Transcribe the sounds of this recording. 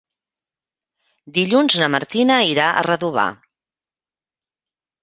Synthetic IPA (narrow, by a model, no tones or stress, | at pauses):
d̪iʎunznəməɾt̪inəiɾaʔə̰rəðuβ̞a̰